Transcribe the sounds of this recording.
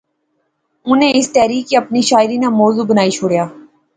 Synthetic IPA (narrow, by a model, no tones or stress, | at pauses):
ʊnẽɪst̪ɛːɾiːkiɐpniʃaːɪɾinamɔːzuːbənaːit͡ʃʰʊɽjaː